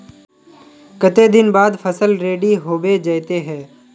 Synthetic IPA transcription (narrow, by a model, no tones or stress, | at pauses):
kət̪ed̪ɪnbaːd̪pʰəsəlɾeːɖiɦoːbed͡ʒət̪eɦɛ̃ː